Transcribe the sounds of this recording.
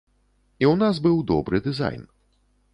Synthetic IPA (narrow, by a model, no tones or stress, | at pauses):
iwnazbɨwd̪ɔ̰bɾɨd̪ɨza̰jn